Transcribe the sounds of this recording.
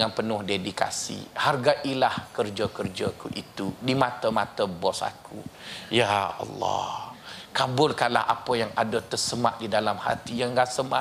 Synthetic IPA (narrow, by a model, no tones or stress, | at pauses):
ŋanpənʊhdedika̰sḭharɡaʔilahkərd͡ʒəkərd͡ʒəkuʔit̪udimat̪əmat̪əbɔsa̰kʰṵjaɑ̰lːɑ̰hkabʊlkanla̰hʔa̰pəjaŋadət̪ərsəmaʔ̚didalamha̰t̪ijaŋɡaʔsəma̰